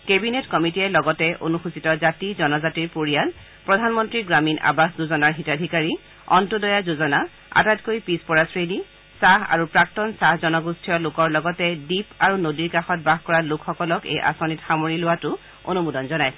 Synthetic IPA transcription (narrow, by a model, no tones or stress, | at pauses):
kebinetkɔmitiɛlɔɡɔtɛʔo̰nuxusitɔzatizɔnɔzatiɹpoɹijal | pɹɔdʱanmɔntɹiɡɹamina̰baszuzɔnaɹɦitadʱikaɹi | ɔ̰ntudɔjazuzɔna | a̰tatkojpispɔɹasɹedi | saɦa̰ɹupɹak̚tɔnsahzɔnɔɡustʰijɔlʊkɔɹlɔɡɔtɛdipaɹunodiɹkaxɔt̚baxkɔɹalʊkʰxɔkɔlɔkḛjʔa̰sɔnitxamoɹilʊwatʊ | o̰numudɔnzɔnaj